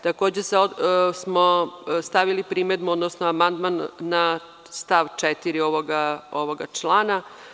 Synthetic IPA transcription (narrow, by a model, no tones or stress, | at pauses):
t̪ako̞ːd͡ʑeseosmost̪aʋilipɾiːmed̪muod̪nosnoamand̪manːa | st̪aʋt͡ʂet̪iɾioʋoɡaoʋoɡat͡ʂlˠaːna